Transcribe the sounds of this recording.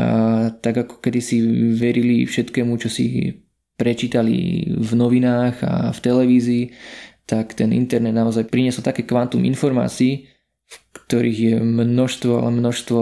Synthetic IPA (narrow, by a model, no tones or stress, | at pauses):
at̪aɡakɔ̥kɛd̪isiʋɛɾilifʃɛt̪kɛːmut͡ʃɔsḭ | pɾɛt͡ʃiːt̪alḭvnɔʋinaːɣa̰ft̪ɛlɛʋiːziːt̪akt̪ɛnḭnt̪ɛɾnɛd̪naɔzajpɾiɲɛsɔlt̪akɛːkʋant̪umḭnfɔɾma̰ːt͡siiː | fkt̪ɔɾiːɣjɛmnɔʃst̪ʋɔa̰lɛmnɔʃst̪ʋɔ